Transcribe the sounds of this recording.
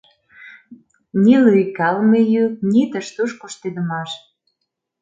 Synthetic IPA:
nilujkɑlmejyknit̪əʃt̪uʃkoʃt̪ed̪əmɑʃ

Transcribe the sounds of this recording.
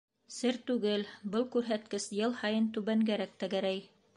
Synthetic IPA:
sɘɾt̪ʉɡɘlbɤlˠkʉɾɦæt̪̚kɘsjɤlˠhɑjɤnt̪ʉβæŋɡæɾæk̚t̪æɡæɾæj

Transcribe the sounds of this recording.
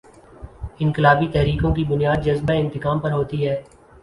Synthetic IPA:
ɪ̃nkɪlaːbit̪ɛɦɾiːkõk̬ibʊnijaːd̪d͡ʒɐzbaɪ̃nt̪ɪkaːmpɐɾɦoːt̪iɦɛː

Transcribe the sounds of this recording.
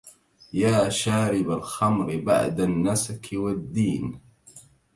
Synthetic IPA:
jaːʃaːɾɪbalxamɾɪba̰ʕd̪anːasakʰɪwad̪ːiːn

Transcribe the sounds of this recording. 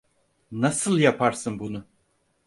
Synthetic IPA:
nasɯlˠjapʰaɾsɯnbunʊ

